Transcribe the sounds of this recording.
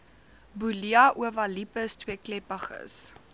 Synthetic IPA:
buliɐʔuəvɐlipəstwiəklɛpɐχə̰s

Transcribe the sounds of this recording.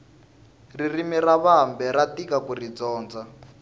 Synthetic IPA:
ririmiraβambɛɾatikakurid͡zɔːnd͡za

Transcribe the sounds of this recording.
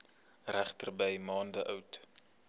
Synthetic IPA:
ræχtərbɛjmɑːndəʔœwt

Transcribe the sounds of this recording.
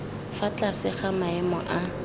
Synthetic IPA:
fat͡ɬʼasɪχamaɛmɔʔa

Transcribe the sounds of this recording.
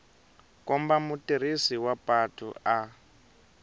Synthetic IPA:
kɔmbamutiɾ̤isiwapʼatʰṵa

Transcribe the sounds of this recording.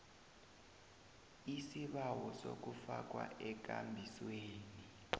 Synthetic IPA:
isiɓawɔso̰k̬ufak̬wa̰ɛk̬ʼambʱisweːni

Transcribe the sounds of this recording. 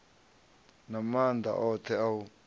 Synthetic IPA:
namand̪ʱa̰ʔɔt̪ʰɛau

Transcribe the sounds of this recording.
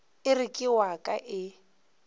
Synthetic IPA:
ɪrikʼɪwakʼaʔɪ

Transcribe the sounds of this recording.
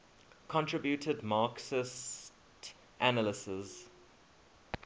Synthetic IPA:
kʰɔ̃ntʰɹ̥ɪbjutʰədmɑːˑksɪs | t | ʔanəlɪsɪz̥

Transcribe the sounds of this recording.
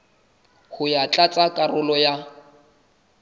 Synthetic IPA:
hʊjat͡ɬʼat͡sʼakʼarʊlɔja

